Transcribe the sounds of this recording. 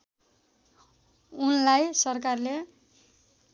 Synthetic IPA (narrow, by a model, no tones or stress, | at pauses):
unlajsʌrkarle